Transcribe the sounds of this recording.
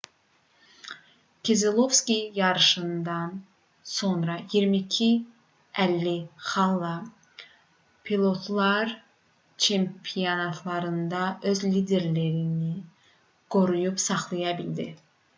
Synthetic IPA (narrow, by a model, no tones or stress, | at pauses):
kʰezelˠo̞vskʲijɑɾɯʃɯnd̪ɑn | so̞nɾɑjiɾmicʰi | ælːiχɑlˠːɑ | pʰilˠo̞t̪ʰlˠɑɾ | t͡ʃʰe̞mpʰionɑt̪ʰlˠɑɾɯnd̪ɑø̞zlid̪e̞ɾleɾini | ɡ̥o̞ɾujupsɑχlˠɯjɑbild̪ḭ